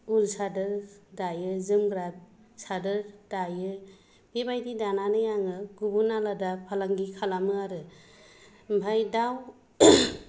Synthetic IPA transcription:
ulsadɯɾdajɯzɯmɡɾat̚ | sadɯɾd̥ajɯ | b̥ebajdidananɯjaŋɯɡubunaladapʰalaŋɡikʰalamɯaɾɯ | bʱajdaw

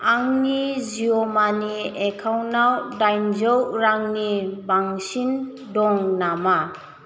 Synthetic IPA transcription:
aŋniziɔmaniekʰawnawdajnzəwɾaŋnibaŋsin | dɔŋnama

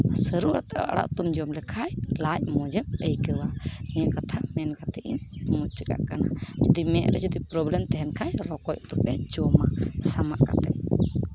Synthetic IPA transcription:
səɾuwa̰ɽt̪aʔa̰ʔa̰ɽa̰ʔt̪umd͡ʒɔmlɛkʰajlajmɔd͡ʒɛp̚əjkəwamɛakat̪ʰamɛnkat̪ɛʔinmut͡ʃəka̰ʔkana̰d͡ʒɔd̪imɛʔɾɛd͡ʒɔd̪ipɾɔblɛmt̪ɛɦɛnkʰajɾɔkɔjt̪ɔp̚ɛd͡ʒɔmasamaʔkat̪ɛ̰ʔ

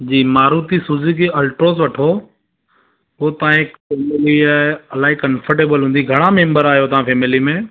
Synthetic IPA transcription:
d͡ʑiːmaːɾuːt̪isuzikeʔɐlʈɾoːs̬ʋɐʈʰo | ɦut̪ɐʋãɦɪkfeːmɪliaːɐlaːikɐ̃nfəɾʈeːbəlɦũːn̆d̪iɡʱɐɽ̃amẽːmbəɾaːɦijot̪ɐʋ̤ãfeːmɪlimẽ

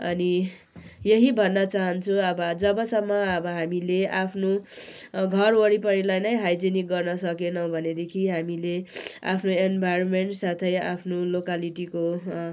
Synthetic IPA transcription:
ʌ̰ni | jʌɦibʱʌnːʌt͡saɦʌnt͡sʰuʌbʌd͡zʌbʌsʌmːʌʌbʌɦamileapʰno | ɡʱʌrwʌɽipʌɾilajnʌjɦajd͡zinik̚ɡʌrnʌsʌkenʌwbʱʌned̪ekʰiɦamilea̰pʰnoenbʱajɾonmeɳʈsat̪ʰʌjapʰnolokaliʈiko

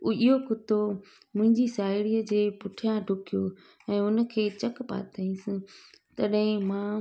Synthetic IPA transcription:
ʊiɦokʊt̪o | mʊ̃ɦɪ̃ɲd͡ʑisaːɪɽiːəd͡ʑeːpʊʈʰijãɖʱʊkijo | ɛ̃ːʊnə̆kʰeːt͡ɕɐkpa̰ːt̪ʰəĩsɪ̃t̪ɐɗɦɪ̃mãː

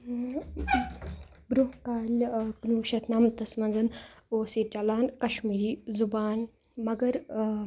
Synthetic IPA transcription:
bɾuhkaːlknuːʃɐt̪namt̪ɐsmɐɡɐnoːset͡ʃɐlaːnkɐʃmiːɾiːzubaːn | mɐɡɐɾ

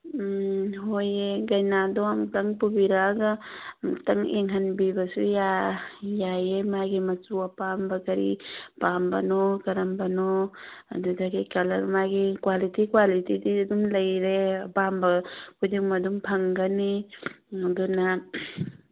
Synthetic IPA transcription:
ɦojeɡɐjnadɔamtɐŋpubiɾaɡatɐŋeŋɦanbibɐsujajajemajɡimɐsuapambɐkɐɾḭpambɐ̰nɔkɐɾɐmbɐnɔa̰dudaɡikɐlɐ̰ɾmajɡikwalitikwalitididumlɐjɾebambɐkʰudiŋmadumpʰɐŋɡɐni | aduna

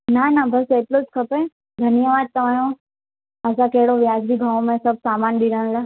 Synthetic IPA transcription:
nanabɐseːʈlot͡ʃkʰɐpẽ | d̪ʱənjəʋaːd̪̚t̪ɐʋãːjõ | əsãkeɦɽoʋjaːd͡ʒbiɡʱãːʋõmẽsɐb̚saːmaːnɗiɾəñla

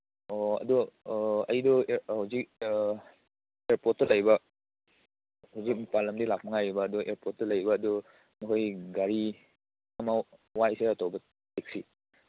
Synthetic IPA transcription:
ɔɐ̰dɔɐ̰jdɔhawzik̚ | eɾpɔt̚tɐlɐjbɐ | hawzik̚mipalɐmdilak̚mɐŋajbɐːduʔeɾpɔt̚tɐlɐjbɐːdu | nɔkʰojɡaɾi | ɐmawajseɐtɔwbɐ | tek̚si

